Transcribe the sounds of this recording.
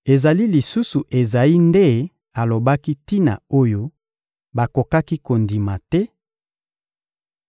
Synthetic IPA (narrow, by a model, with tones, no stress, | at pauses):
e˨za˨li˦li˨su˦su˨ʔe˨za˨i˦nde˦ | a˨lo˨ba˦ki˦ti˦na̰˨o˦jo˦ | ba˨ko˨ka˦ki˦ko˨ndi˨ma˨tɛ˦